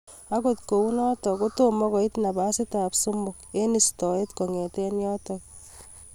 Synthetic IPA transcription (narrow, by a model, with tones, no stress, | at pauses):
a˦kotko˨u˦nɔ˦tɔ˨ko˦to˦mɔ˦kɔ˨i˦tna˨ba˦sɪ˦ta˨psu˦mbʊ˨ke˦ni˨stɔ˨e˦tko˨ŋe˨tɛ˦njɔ˦tɔk